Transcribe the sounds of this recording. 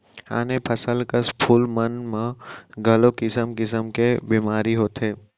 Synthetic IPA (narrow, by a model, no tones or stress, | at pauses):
a̰ːnepʰəsəlkəspʰulmənmãɡʱəlokɪsəmkɪs̬əmkebiːmaːɾiɦoːt̪ʰeː